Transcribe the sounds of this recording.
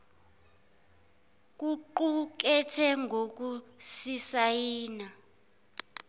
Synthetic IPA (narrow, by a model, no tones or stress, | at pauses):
k̬ʼuǃuk̬ɛtʰɛŋɡʱok̬usisajiːna